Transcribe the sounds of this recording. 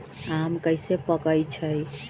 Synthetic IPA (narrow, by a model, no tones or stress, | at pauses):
amkəjsepəkəjt͡ʃʰəj